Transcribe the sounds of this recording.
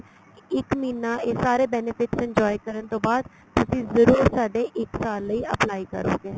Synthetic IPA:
ɪkmiːnaːesaːɾeːbɛːnɪpʰɪʈsɪ̃ɲd͡ʒɔːjkəɾənt̪õːbaːd̪̚ | t̪ʊsĩːzəɾuːɾsaːɖeːʔɪksaːlːəiːəplaːikə̰ɾo̰ːɡeː

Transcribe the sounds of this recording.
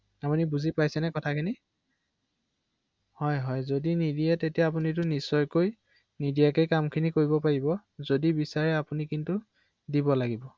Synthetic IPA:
apunibuzipajsɛnɛkɔtʰakʰini | hɔjɦɔjzodinidijɛtetijaːp̬unit̬ʊnisɔjkoj | nidijakejkamkʰinikoɹibɔpaɹibɔzodibisaɹɛapunikintʊ | dibɔlaɡibɔ

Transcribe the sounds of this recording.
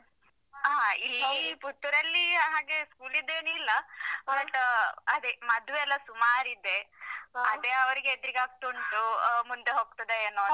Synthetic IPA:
ɦaːilːput̪ːuɾɐlːiɦaːɡe̞skuːlid̪eːnuilːɐbɐʈːɐd̪emɐd̪uʋeɛlːɐsumaːɾid̪e̞ | ɐd̪e̞ɐʋɐɾiɡeet̪ːɐɾiɡaːɡ̚t̪uɳʈumund̪eɦoːɡ̚t̪ɐd̪eeːno

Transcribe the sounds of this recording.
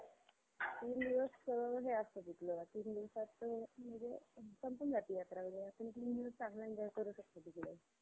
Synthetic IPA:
t̪iːnd̪iʋəsːəbaəɦeast̪od̪it̪loat̪iːnd̪iʋsat̪ːməd͡zesəmpənd͡zat̪ijat̪ɾaʋəɽeapəɳ̃it̪iːnd̪iʋəssaɦland͡ʑajkəɾuːɕək̚t̪od̪ik̪lo

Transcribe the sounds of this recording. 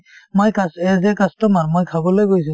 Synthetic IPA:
mojkasɛzɛkastɔmaɹmojkʰabɔlojɡojs̬ũ

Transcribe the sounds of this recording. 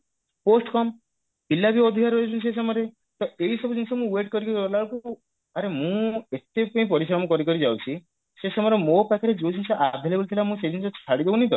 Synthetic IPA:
posʈkɔm | pilːabiɔd̪ʱikaɾɦojt͡ʃʰunises̬ɔmɔɾe | t̪ɔeɦisɔbɔd͡ʒinisɔmũeʈ̚kɔɾikɔɾiɔlaɭku | aɾemũet̪epɔĩpɔɾisɾɔmɔkɔɾikɔɾid͡ʒawt͡ʃʰi | sesɔmɔɾemopakʰaɾed͡ʒowt͡ʃinisɔʔabd̪ʱelebult̪ʰilamũs̬ed͡ʒinisɔt͡ʃʰaɽid̪ebunĩd̪ɔ̰

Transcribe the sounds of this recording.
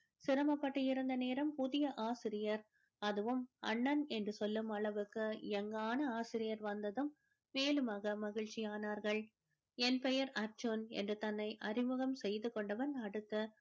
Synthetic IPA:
sɪɾɐmɐpːɐʈːɯɪɾɯnd̪ɐneːɾɐmpʊðɪjɐʔaːsɪɾɪjɐɾ | ɐðɯʋɯmɐ̰ɳːɐnɛndrɯsɔlːɯmɐɭɐʋɯkːɯɛŋɡaːnɐaːsɪɾɪjɐɾʋɐnd̪ɐðɯmː | eːlɯmaːɣɐmɐɣɪɻt͡ʃɪjaːnaːɾɣɐɭ | ɛnpɛjɐɾɐɾt͡ʃuːnɛ̰ndrɯt̪ɐnːɐɪʔɐrɪmɯɣɐmsɛjðɯkɔɳɖɐʋɐnɐɽɯt̪ːɯ

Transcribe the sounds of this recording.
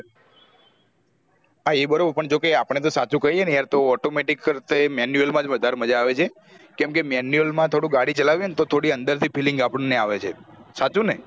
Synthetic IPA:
aebəɾobəɾpəɳd͡ʒokeapəɳ̃et̪osat͡ʃukəienjaɾt̪oɔʈomeʈikːəɾt̪emɛnjuəlmãd͡ʒʋəd̪ʱaɾməd͡ʒaːʋet͡ʃʰe | kɛmkemɛnjuəlmãt̪ʰoɽũɡaɽit͡ʃəlaʋijenet̪ot̪ʰoɽiənd̪əɾt̪ʰipʰilɪŋɡapəɳneaʋet͡ʃʰesat͡ʃũne

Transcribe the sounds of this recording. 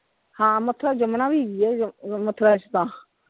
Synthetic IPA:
hãːmət̪ʰːɾaːd͡ʒəmnãːbʱiːɡiɛmət̪ʰɾaːt͡ʃʰt̪ãː

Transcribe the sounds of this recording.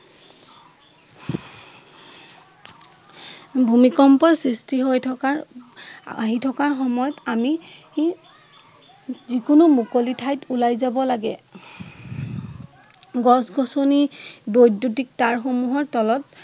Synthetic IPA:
bʱumikɔmpɔɹsɹistiɦojʰka | aɦitʰɔkaɹxɔmɔjɔtami | zikʊnumukolitʰajtulajzabɔlaɡɛ | ɡɔsɡʱɔsonibojdutik̚taɹxomuɦɔɹtɔlɔt

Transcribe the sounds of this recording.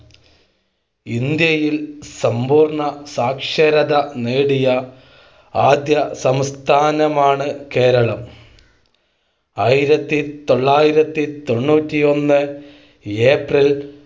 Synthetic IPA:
ind̪jɐjilsɐmbuːrɳɐsaːkʂɐɾɐðɐneːɽijɐ | aːd̪jɐsɐmst̪ʰaːnɐmaːɳɨke̞ːɾɐɭɐm | aːjiɾɐt̪ːit̪o̞ɭːaːjiɾɐt̪ːit̪o̞ɳːuːtːio̞nːɨ | eːpril

